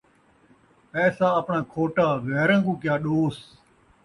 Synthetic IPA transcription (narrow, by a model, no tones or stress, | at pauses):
pɛːsaːəpɳãːkʰoːʈaːɣɛːɾə̃ːkũːkɪjaːɗoːs